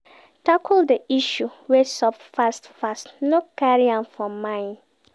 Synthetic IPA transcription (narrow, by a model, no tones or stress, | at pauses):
takuldəiʃuwɛsɔpfastfastnokaɹiãnfɹɔ̃mːãɪ̃n